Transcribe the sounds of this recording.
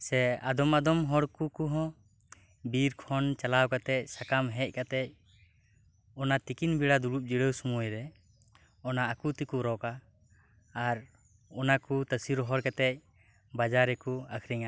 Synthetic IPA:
sɛad̪ɔmad̪ɔmɦɔɽkukuɦɔ̃ | biɾkʰɔnt͡ʃalawkat̪ɛc̚sakamɦɛc̚ˀkat̪ɛc̚ | ɔnat̪ikinbiɽad̪uɽup̚d͡ʒiɽəwsumujɾɛ | ɔnaːkut̪ikuɾɔkaː | ɾ | ɔnakut̪əsiɾɔɦɔɾkat̪ɛc̚ | bad͡ʒaɾɛkuakʰɾiŋa

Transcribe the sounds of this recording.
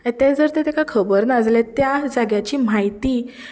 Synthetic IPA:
ãt̪ɛ̃d͡zəɾt̪ɛt̪ekakʰəbəɾnad͡zlɛ̃t̪jad͡zaɡjat͡ɕiːm̤ajt̪iː

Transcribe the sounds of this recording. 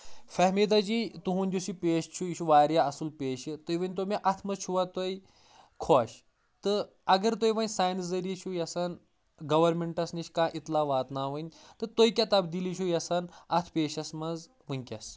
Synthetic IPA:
fɐɦmid̪ad͡ʒiːt̪uɦũnʲd̪ʲusipʲeːʃt͡ʃʰujiʃʰuʋaːɾjaɐsulpeːʃɨt̪ojʋɐnʲt̪̬omeʔɐt̪ʰmɐzt͡ʃʰuʋat̪oj | kʰoːɕ | t̪ɨ | ɐɡɐɾt̪̬ojʋɐnʲsaːjnszɐɾit͡ʃʰujɐsan | ɡɐʋɐɾmeɳʈɐsniʃkãːʔit̪laʋaːt̪naːʋɨnʲt̪ɨt̪ojkʲat̪ɐbd̪ilit͡ʃʰujɐsɐnɐt̪ʰpeːʃɐsmɐz | mɨnʲkʲɐs

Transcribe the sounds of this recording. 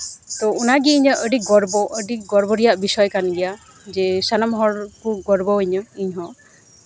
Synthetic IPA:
t̪ɔunaɡiːɲəʔəɖiɡɔɾbɔʔəɖiɡɔɾbɔɾijaʔbisɔjkanɡɛja | d͡ʒɛsanamɔɦɔɾkuɡɔɾbɔəɲɔiɲɦɔ̃

